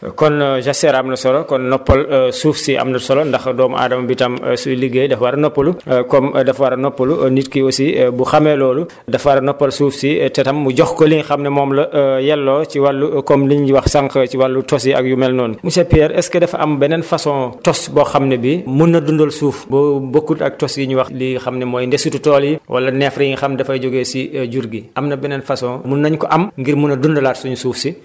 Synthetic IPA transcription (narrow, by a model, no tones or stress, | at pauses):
kɔnʒasɛɾɐmlɐsɔɾɔkɔnːɔpːɐlsuːfsiʔɐ̰mnɐsɔlɔndɐxdɔːmʔa̰ːdɐmɐbitɐmsuliɡedɐfwɐɾɐnɔpːɐlukɔmdɐfwɐɾɐnɔpːɐlunitkiosibuxɐmɛlɔːlu | dɐfwɐɾɐnɔpːɐlsuːfsitɛtɐmːuɟɔxkɔliŋxɐmnɛmɔːmlɐjɛlːɔt͡ʃiwɐlːukɔmliɲiwɐxsɐŋkəciwɐlːutɔs̬iɐ̰k̚jumɛlnɔːnmusɛpiɛːɾɛskɛdɛfɐ̰mbɛnɛnfɐsɔ̃ːtɔsbɔxɐmnɛbimunːɐdundɔlsuːfbɔbokːutɐ̰k̚tɔsjiɲuwɐxlixɐmnɛmɔːjndɛsututɔːljiwʔɐ̰lːɐnɛfɾɐjiŋxɐmdɐfɐɟɔɡɛsiɟuɾɡiʔɐmnɐbɛnɛnfɐsɔ̃ːmunːɐɲkɔʔɐmŋɡiɾmunːɐdundɔlaːtsuɲusuːfsi